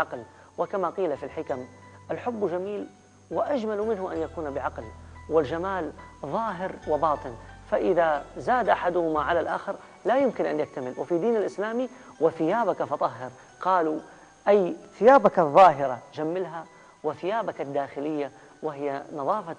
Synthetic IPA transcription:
ɑql | wɪkamaqiːlafilħɪkamʔalħʊbːd͡ʒamiːl | wɪʔad͡ʒmalmɪnɦʊʔanjakuːnbɪʕɑqlwɪld͡ʒamaːlðˤɑːɦɪɾwɪbɑːt̪ˤɨnfaʔɪðazaːd̪ʔaħad̪ʊhʊmaʕalalʔa̰ːxɪɾ | lajɪmkɪnʔanjɪk̚t̪amɪlwɪfid̪iːnalʔɪslaːmiwɪθɪjaːbakafɑt̪ˤɑɦːɪɾ | qɑːlu | ʔajθɪjaːbakaðˤːɑːɦɪɾad͡ʒamːɪlɦa | wɪθɪjaːbakad̪ːaːxɪlɪjːa | wɪɦɪjːanɑðˤɑːfa

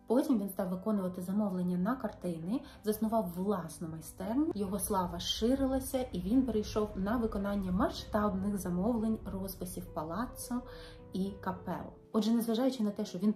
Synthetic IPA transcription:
pɔtʲimʋinst̪ɑwʋɪkɔnʊʋɐt̪ɪzɐmɔwlˠenʲːɐnɐkɐrt̪ɪnɪ | zɐsnʊʋɑwːlˠɑsnɔmɐjst̪ɛrnʲʊjɔɦɔslˠɑʋɐʃɪɾɪlˠɐsʲɐʔiʋʲinpeɾejʃɔwnɐʋɪkɔnɑnʲːɐmɐʃt̪ɑbnɪxzɐmɔwlˠenʲrɔzpɐsʲiwpɐlˠɑt̪sɐ | ikɐpɛ̰lˠʊɔdʒɛnezʋɐʒɑjʊt͡ʃɪnɐt̪ɛʃt͡ʃɔʋʲin

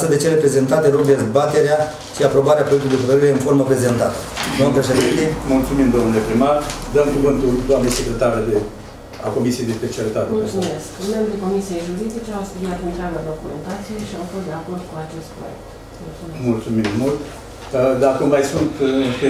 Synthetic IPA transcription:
səd̪et͡ʃe̞le̞pɾe̞ze̞nt̪at̪e̞lokd̪e̞zbat̪e̞ɾea | ʃiapɾo̞baɾeapet̪ujd̪efət̪əɾiɾe̞ɨnfo̞rməpɾe̞ze̞nt̪at̪ə̥d̪oamnəpɾeʃ̬ed̪int̪emult̪sumimd̪o̞mnule̞pɾimard̪əmkuvɨnt̪uld̪oamnese̞kɾe̞t̪aɾed̪e | ako̞misije̞jd̪espe̞t͡ʃialit̪at̪eulsumeskɨnːambɾʲiko̞misije̞jʒuɾid̪it͡ʃe̞awspɾimat̪unt̪ɾeamad̪o̞kume̞̰nt̪at̪sije̞ʃiawfosd̪e̞ako̞rd̪kuat͡ʃe̞st̪̚pɾo̰jḛkt̪ | mult̪umemult̪sumimːult̪ | əd̪akummajsunt̪pe

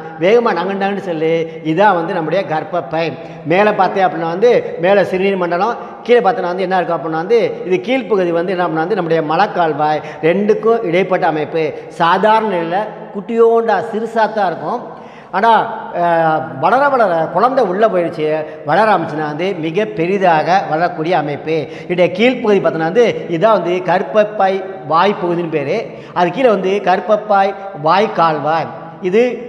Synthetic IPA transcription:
ʋeːɣɐmaːnaŋɡɐɳɖaːɐnɖɯsɔlːi | ɪðãːʋɐnd̪ɯnɐmːɯɽɐjɐɡɐɾpːɐpːɐɪm | meːlɐpaːɾt̪ẽːɐpːɐɽɪnːaːʋɐnd̪ɯmeːlɐsɪɾniːɾmɐɳɖɐlõ | kiːlɐpaːɾt̪ɐnaːɐnd̪ɯɛnːaːɪɾɯkːʊ̃ɐpːɽɪnaːɐnd̪ɯɪðɯkiːlpɐɣɯðiʋɐnd̪ɯɛnːɐɐpːɽɪnːaːɐnd̪ɯnɐmːɯɽɐjɐmɐlɐkːaːɭʋaːj | ɾɛɳɖɯkːʊ̃ʔɪɽɐɪpːɐʈːɐɐmɐɪpːɯsaːðaːɾɐɳɐɪlːɐ | kʊʈːɪjoːɳɖasɪɾɯsaːt̪ːãːɪɾɯkːʊ̃ | aːnaː | ʋɐɭɐɾɐʋɐɭɐɾɐkʊɻɐnd̪ɐʊɭːɐp̬oːjɪɽɯt͡ʃːɯ | ʋɐɭɐɾaːmɪt͡ʃːɐnːaːʋɐnd̪ɯmɪɣɐpɛɾɪðaːɣɐʋɐɭɐɾɐkːuːɽɪjɐːmɐɪpːɯ | ɪɳɖɐkiːlpɔɣɯðipɐɾt̪ɯŋnaːɐnd̪ɯɪðãːʋɐnd̪ɯkɐɾɯpːɐpːaːjʋaːjpɔɣɯðɪnɯpeːɾɯ | ɐðɯkːiɪlɐʋɐnd̪ɯkɐɾɯpːɐpːaːjʋaːjkaːɭʋaːj | ɪðɯ

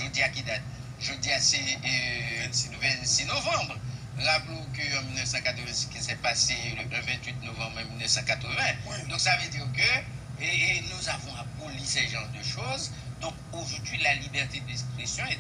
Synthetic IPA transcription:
ʒod̪iakid̪at̪̚ | ʒød̪iase | ɛ̃sinovɛ̃sinovɑ̃bʁ | ʁaplokəɑ̃milnœfsɑ̃kat̪ʁəvɛ̃si̥kisɛpaseləvɛ̃t̪ɥit̪novɑ̃bʁɑ̃milnœfsɑ̃kat̪χəvɛ̃d̪ɔ̃ksavød̪iʁkə | nuzavɔ̃abolisɛʒɑ̃ʁd̪əʃoz | d̪ɔ̃k | oʒuʁd̪ɥilalibɛʁt̪ed̪ɛkspχesjɔ̃e

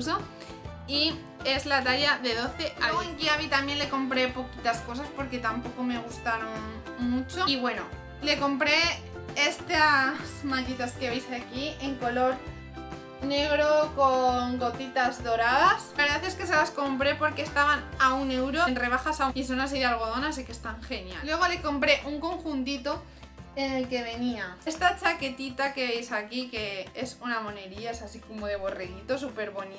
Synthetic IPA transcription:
so | i | e̞zlat̪aʝaðe̞ðo̞θe̞ʔalɣoeŋkiaβ̞it̪amje̞nle̞ko̞mpɾe̞po̞kit̪asko̞saspo̞ɾke̞t̪ampo̞ko̞me̞ɣ̞ust̪aɾo̞n | mut͡ʃoiβwe̞no̞ | le̞ko̞mpɾe̞ | est̪asmaʎit̪askeβejsakie̞ŋko̞lo̞ɾ | ne̞ɣ̞ɾo̞koŋɡo̞t̪it̪azðo̞ɾaðasaeɾðaθeske̞se̞lasko̞mpɾe̞po̞ɾkeːst̪aβanaune̞wɾonre̞β̞axasauis̬onas̬eðealɣo̞ð̞o̞nas̬ikest̪aŋxenja̰lwe̞ɣ̞o̞le̞ko̞mpɾe̞ʔuŋko̞ŋxunt̪it̪o̞ | ene̞lke̞β̞e̞niaest̪at͡ʃake̞t̪it̪ake̞βejsakike̞esunamo̞ne̞ɾiaesasiko̞moðe̞β̞o̞reɣit̪o̞supe̞ɾβo̞ni

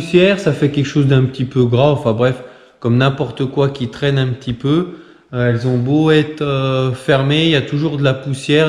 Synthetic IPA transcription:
usjɛʁsafɛkʲɛlkʃozd̪ɛ̃pət̪ipøɡʁãɑ̃fɛ̃bʁɛf | kɔmnɛ̃pɔʁt̪əkwakʲit̪χɛnɛ̃pət̪ʰipø | ɛlzɔ̃boɛt̪øfɛʁmejat̪uʒuʁd̪əlapusjɛʁ

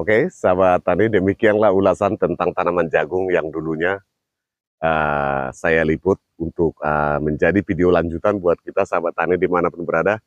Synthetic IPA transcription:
okesaβat̪anidəmikianlaɦulasant̪ənt̪aŋt̪anamand͡ʒaɡʊŋjaŋduluɲa | əsajalipʊt̪̚unt̪ʊk̚əməɲd͡ʒadifideolaɲd͡ʒut̪anbuat̪̚kit̪asabat̪anɪdimanapʊnbəɾada

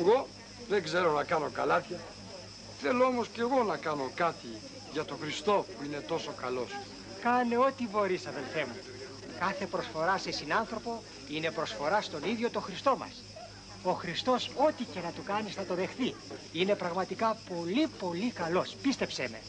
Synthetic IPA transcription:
ɣo̞ | ðeɡzeɾo̞nɐkɐno̞kɐ̰lɐt̪çɐ | θe̞loomosceɣo̞nɐkɐno̞kɐt̪i | ʝɐt̪o̞xɾist̪o̞puine̞t̪o̞sokɐlo̞s | kɐneo̞t̪ibo̞ɾisɐðe̞lfe̞mu | kɐθe̞pɾo̞sfo̞ɾɐsesinɐnθɾo̞po̞ | ine̞pɾo̞sfo̞ɾɐst̪o̞niðʝo̞t̪o̞xɾist̪o̞mɐ̰s | o̞xɾist̪o̞so̞t̪ice̞nɐt̪ukɐniznɐt̪o̞ðe̞xθi | ine̞pɾɐɣmɐt̪ikɐpo̞lipo̞likɐlo̞spist̪e̞pseme̞̰

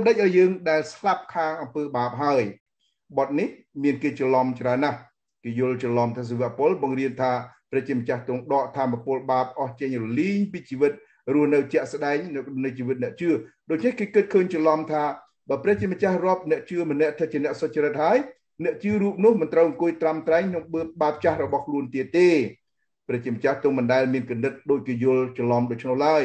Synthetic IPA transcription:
mɗəc̚ʔaːjəːŋɗaɛlslap̚kʰaːŋʔɑmpəːɓaːp̚ɦaəj | ɓɑt̪̚nih | miənkeːt͡ɕəlɑmt͡ɕraənːah | keːjʊ̆əlt͡ɕɔlɑmt̪ʰaːs̬iʋɛəʔpŏəlɓɑŋriənt̪ʰaːprɛːkt͡ɕiəmə̆t͡ɕaht̪ʊəŋɗɑːʔt̪ʰaːmːapʊ̆əlɓaːp̚ʔɑht͡ɕəŋrɔliːɲpiːt͡ɕiːʋɨt̪̚ | rʊəhnɨwt͡ɕɛ̆əʔs̆ɗaɛŋnɨwkʰɗɔnːɨt͡ɕiːʋɨt̪̚nɛ̆əʔt͡ɕɨəɗoːc̚t͡ɕʰnehkeːkɨt̪̚kʰəːɲt͡ɕɔlɑmt̪ʰaː | ɓaːprɛ̆əht͡ɕiəmə̆t͡ɕahrŏəp̚nɛ̆əʔt͡ɕɨəmənɛ̆əʔt̪ʰət̪̚t͡ɕiənɛ̆əʔsot͡ɕiəɾɨt̪̚haəj | nɛ̆əʔt͡ɕɨəruːp̚nʊ̆əhmɨnt̪rəwɑŋkuəjt̪ramt̪raɛŋkʰnoŋɓəːp̚ɓaːp̚t͡ɕahrɔɓɑhkʰluənt̪iət̪ːeː | prɛ̆əʔt͡ɕiəmə̆t͡ɕaht̪ʊŋmɨnɗaɛlmiənkumnːɨt̪̚ɗoːc̚keːjuəlt͡ɕɔlɑmɗoːc̚t͡ɕʰnohlaəj

